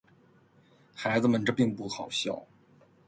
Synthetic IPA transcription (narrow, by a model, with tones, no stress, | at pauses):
xa˧˥ɪd͡zɹ̩˧mə˨nʈ͡ʂɤ˥˧pi˥˧ŋpu˥˩xɑ˨˩ʊɕjɑ̰˥˩ʊ